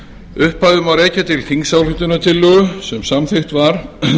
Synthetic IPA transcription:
ʏhpaðʏmawɾeːjcat̪ʰɪlθiŋsawlhɪht̪ʏnat̪ʰɪlːœɣʏsɛmsamθext̪vaɾ̥

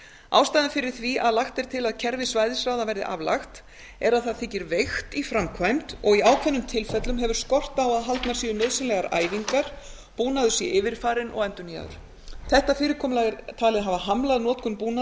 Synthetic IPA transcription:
a̰ːwst̪ajðɪnfɪɾɪɾ̥θviʔaðlaxt̪ɪɾ̥t̪ʰɪlaðcʰɛɾvɪsvaːjðɪsɾaːwðavɛɾðɪ̰ʔa̰vla̰xt̪ | ɛɾaðθaðθɪcːɪɾvejxt̪ifɾamkʰvajmt̪ɔɣiaːwkʰvɛnːʏmt̪ʰɪlfɛt̪lʏmɦɛvʏɾ̥skɔr̥t̪aːwaðɦalt̪naɾsiːʏnœɥðsɪnlɛɣaɾa̰ːjviŋkaɾ̥ | puːnaðʏ̥sjɛʔɪːvɪɾ̥faːɾɪnʔɔ̰ɣɛnt̪ʏnia̰ðʏ̰ɾ̥ | θɛht̪afɪːɾɪkʰɔːmlaɣɪɾt̪ʰaːlɪðɦaːvaɦamlaðnɔːt̪kʏnpuːna

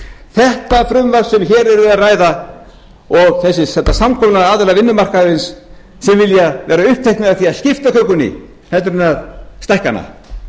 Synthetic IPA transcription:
θɛht̪afɾʏmvasʏnçɛːɾɛɾɪðaraːjða | ɔɣθɛs̬ːɪsɛt̪ːasamkʰɔmʏnaaːðɛlavɪnːʏmar̥kaðɾɪnsː | ɛmvɪljavɛːɾaʏhp̚t̪ʰejhkt̪mɛðaθiaðscɪft̪akʰœkʏnːɪ̰ | hɛlt̪ɾʏnaðst̪ɛhkanːa̰

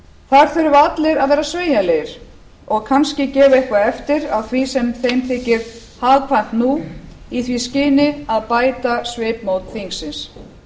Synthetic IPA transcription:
θaɾ̥θʏɾʏvat̪lɪɾaðvɛːɾasveːjaleːjɪɾ̥ | ɔɣkʰanscɪcɛːvʏehkvaɛft̪ɪɾawθvisɛmθejmθʰɪːcːɪɾ̥ | haːðpʰajn̥t̪nu | iθviscɪːnɪaðpaːjt̪asveːpmowt̪θiŋsɪns

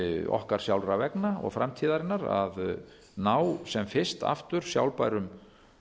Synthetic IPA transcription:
ɔ̰hkaɾ̥sjawlɾavɛknaɔ̰ɣfɾamt̪ʰiːðaɾɪnːaɾa̰ð | naːwsɛmfɪ̥st̪a̰ft̪ʏɾ̥sja̰wlpajɾʏm

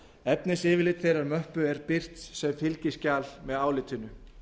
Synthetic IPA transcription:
ɛp̚nɪsɪːvɪɾlɪt̪θejɾaɾmœhpʏɛɾpɪr̥t̪sɛmfɪlcɪscaːlmɛðaːwlɪt̪ʰʏnːʏ

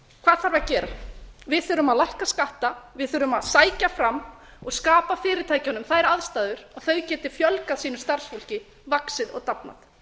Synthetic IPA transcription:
kʰv̥aːðθaɾvacɛːɾavɪðθœːɾʏmaðlajhkaskaht̪avɪðθœːɾʏmaðsaːjcafɾamː | ɔɣskaːpafɪːɾɪt̪ʰaːjcanʏmθaðɛɾaðst̪aːðʏɾɔɣθœɥcɛːt̪ɪɾ̥fjœlkaðsiːnʏ̥st̪ar̥sfɔl̥cɪ | vaksɪðɔ̰ɣt̪apna̰ð

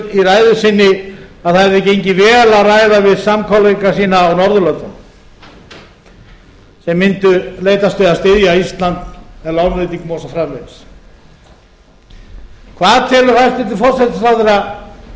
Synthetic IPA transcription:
iraːjðʏsɪnːɪaðθaɛɾðɛcejɲcɪvɛːlaraːjðavɪðsamkʰɔwleŋkasiːnaːwnɔɾðʏlœnt̪ʏn | sɛmːɪnt̪ʏleːjt̪ast̪œðast̪ɪðjaist̪lant̪ɛlawnlet̪iŋkmɔːsafɾamvens | kʰvaːðt̪ʰɛːlʏ̥ast̪mɪnt̪ɪfɔrt̪sɛt̪asawθeɾa

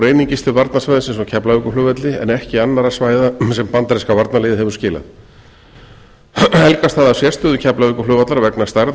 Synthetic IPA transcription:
ɾeːjniɲcɪst̪fɪɾvaɾt̪nasvajðɪsɛmsɔcʰɛplaʏkʏlʏːvat̪lɪɛ̰nɛhcɪanːaɾasvaːjðasɛmpant̪aɾɪskavaɾt̪naleːjðɪhɛvʏɾ̥scɪːla̰θ | ɛlkast̪θaðasjɛst̪ʏðʏcʰɛplavʏːkʏlœːvat̪laɾvɛknḁst̪ajɾ

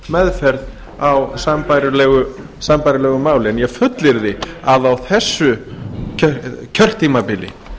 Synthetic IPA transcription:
mɛðfɛɾð | awsampajɾʏlɛɣʏ | sampajɾɪlɛːɣʏmaːwlɪɛnjɛfʏt̪lɪɾðɪaðawθɛsːʏ | cʰœr̥t̪ʰːimapɪlɪ̰

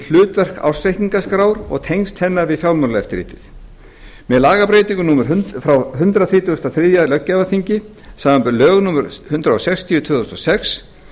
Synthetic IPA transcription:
l̥ʏːt̪vɛr̥ka̰wɾ̥sɛhiŋkaskɾaːwɾɔ̰ɣt̪ʰejnst̪hɛnːaɾvɪðfjawlmɔɾlɛft̪ɪɾḭːt̪ɪθ | mɛðlaːɣapɾeːjt̪ĩŋkʏnumʏɾɦfɾawɦʏnt̪ɾaθɾiːt̪uʏst̪aθɾɪðjalœcːavaθiɲcɪ | saːmampʏɾlœːɣnumɛɾhʏnt̪ɾaosɛkst̪ʰijʏt̪ʰvʏːθɔst̪ɔsɛks

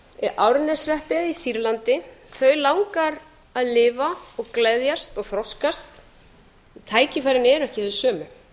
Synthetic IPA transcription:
ʔaːwɾɪnɛsrɛhpɪðisiɾlant̪ɪθœɥlawŋkaɾ | aðlɪːvaɔɣklɛðjast̪ɔɣθɾɔskast̪ | t̪ʰaːjcɪfajɾɪnɛɾɛhcɪðsœːmʏ

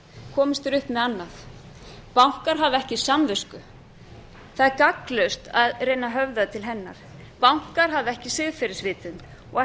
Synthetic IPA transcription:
kʰɔːmɪst̪ʏɾʏhpmɛðanːaθ | pawŋ̥kaɾ̥ɦavɛhcɪsamvʏskʏ | θaðɛɾkaklœɥst̪aðreːjnaɦœvðaðt̪ʰɪlɦɛnːa̰ɾ̥ | pawŋ̥kaɾ̥ɦavɪɛhcɪsɪðfɪɾɪsvɪːt̪ʏn | ɔɣɛ

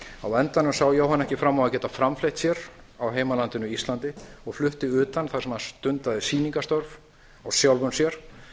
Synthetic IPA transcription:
awɛnt̪anʏmsawjowɦanɛhcɪfɾamːawacɛːt̪afɾamflejht̪sjɛɾ | awɦeːjmalant̪ɪnʏist̪lant̪ɪɔɣflʏht̪ɪʏːt̪anθḁɾsɛmaðanst̪ʏnt̪aðɪsiːniŋkast̪ɔɾv | awsjawlvʏnsjɛɾ̥

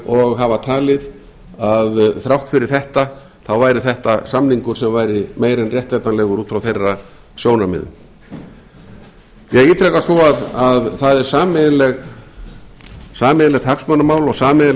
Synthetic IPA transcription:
ɔɣɦavat̪ʰaːlɪð | aðθɾawht̪fɪɾɪɾ̥θɛht̪a | θawvaːjɾɪθɛht̪asamniŋkʏɾ̥sɛmvaːjɾɪmeːjɾɛnrjɛht̪vɛt̪anlɛɣʏɾuːt̪fɾawθejrːa | sjoːwnamɪ̰ðʏ̰m | jɛɣiːt̪ɾɛkasɔaðaðθaðɛɾ̥saːmɪlɛɣ | saːmɪðlɛɣt̪ʰaksmœnamaːwlɔɣsaːmɪ

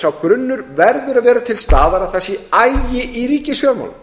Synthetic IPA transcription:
sawkɾʏnːʏɾvɛɾðʏɾaðvɛːɾat̪ʰɪlst̪aːðaɾaθɛsɪajjɪʔiɾiːcɪsjœːma̰wl

